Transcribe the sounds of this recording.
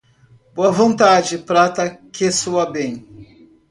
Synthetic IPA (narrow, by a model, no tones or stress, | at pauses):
b̥oɐvõnt̪ad͡ʒɪpɾat̪ɐkesuɐbẽj̃